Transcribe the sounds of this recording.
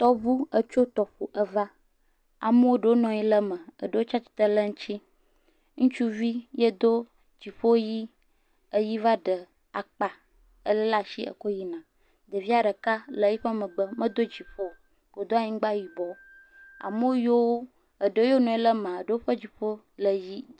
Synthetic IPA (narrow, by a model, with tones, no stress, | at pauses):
t̪ɔ˦vu˦ə˦t͡ʃo˦t̪ɔ˨ɸo˨ʔə˦va˦ | a̰˨mə˦wo˦ɖə˨wo˦nɔ̃˨ji˦lə˦mə̃˨ə̰˨ɖə˦wo˦t͡ʃa˦t͡ʃi̥˨˦t̪ə˦lə˦ŋ̩̃˦t͡ɕi˦ | ŋũ˦t͡ʃu˦vi˦jə˦d̪o˦ | d͡ʑi˨ɸo˦ji˦ | ə˦ji˦va˦ɖə˨ | a˨k͡pa˨ | ə˦lə˦la˦ʃi˦ʔə̰˨ko˦ji˦nã˨ | d̪ə˨vi˦a˨ɖə˨ka˦lə˨˦ji˦ɸə˦mə̃˨ɡ͡bə˦mə̃˦d̪o˦d͡ʑi˨ɸo˦˨ | ko˨d̪o˦a˦ɲĩ˦ɡ͡ba˦˨ji˨bɔ˨ | a̰˨mə˦o˦jo˦wo˦ | ə˨ɖə˨wo˦jo˦nɔ̃˨i˦lə˦mã˨ə˨ɖə˨wo˦ɸə˦d͡ʑi˨ɸo˦ | lə˨ji˦